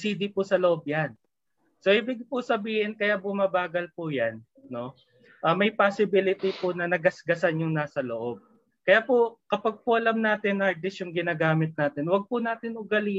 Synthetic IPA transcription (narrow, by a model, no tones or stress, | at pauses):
siːd̪ipʊsɐloʔob̚jan | soʔɪbɪɡ̚pʊsɐbiːhɪnkɐjabʊmabaːɡɐlpʊjanː | o̞ | ʔɐːmɐjpasɪbɪlɪt̪ɪpʊnɐnɐɡɐsɡɐsanjʊŋnaːsɐloʔo̞b̚ | kɐjaːpokɐpaɡ̚pʊʔɐlɐmnaːt̪ɪnaɹd̪ɪsjʊŋɡɪnaːɡaːmɪt̪̚naːt̪ɪnwɐɡ̚pʊnaːt̪ɪnʔʊɡɐli